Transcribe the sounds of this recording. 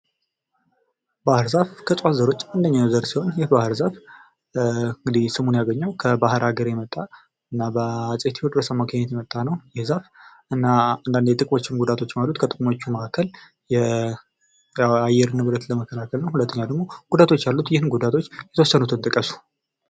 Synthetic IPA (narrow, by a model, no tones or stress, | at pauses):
bahɨɾzafkʰəsʼwazːəɾo̞t͡ʃːand̪əɲːanzəɾsiho̞njɪhbahɨɾzaf | ɨŋɡɨd̪isɨmunjaɡəɲːawkʰəbahɨɾaɡəɾjɛmət̪ʼːa | ɨnːabəasʼet̪ʰhod̪bəsamːakʰəɲːɛt̪jɛmət̪ʼːanəwjɛhzaf | ɨnːaand̪and̪jɛt̪ʼɨkʼmo̞t͡ʃːɪmɡud̪at̪ʰo̞t͡ʃːmalut̪kʰət̪ʼɨkʼmo̞t͡ʃːuməʔakʰːəl | jɛ | ajːɛɾɨnɨβɨlət̪ləməkʰːəlakʰəlnəwhulət̪ʰːəɲːawd̪əɡmo̞ɡ̥ud̪at̪ʰot͡ʃːjalːut̪jɪhɨnɡud̪at̪ʰo̞t͡ʃːjɛt̪əwɔsːənut̪ʰɨnt̪ʼɨkʼːəsu̥